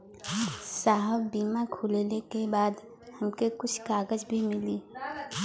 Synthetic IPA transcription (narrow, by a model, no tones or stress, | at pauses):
saːɦəbːiːmakʰʊːlelekebaːd̪ | hɐmkekʊt͡ʃʰkaːɡəd͡ʒbʱimɪliː